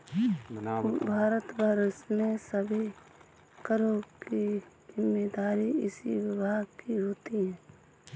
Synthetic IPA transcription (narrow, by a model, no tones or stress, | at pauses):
bʱaːɾət̪bəɾsmesəbʱi | kəɾõki | zɪmːeːd̪aːɾiɪsiwɪbʱaːɡkiɦoːt̪iɦɛ̃ː